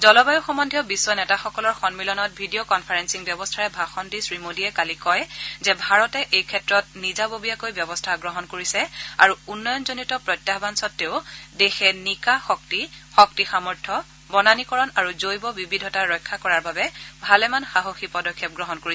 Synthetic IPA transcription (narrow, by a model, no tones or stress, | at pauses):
zɔlɔbajuxɔmɔndʱjɔbisːwɔnɛtaxɔkɔlɔɹxɔnmilɔnɔt̚bʱidiokɔnpʰaɹɛnsiŋbjɔbɔstʰaɹɛbʱaxɔndisɹimodiɛkalikɔjzɛbʱaɹɔtɛʔejkʰɛtɹɔt̚nizabobijakojbjɔbɔstʰaɡɹɔɦɔnkoɹisɛa̰ɹuunːɔjɔnzonitɔpɹɔjtːjaɦbansɔtːeʊdexɛnikaxɔk̚tixɔk̚tixamɔɹtʰɔ | bɔnanikɔɹɔnaɹuzojbɔbibidʱɔtaɹɔjkʰːakɔɹaɹbabɛbʱalɛmanxaɦoxipɔdɔkʰːjɔp̚ɡɹɔɦɔnkoɹisɛ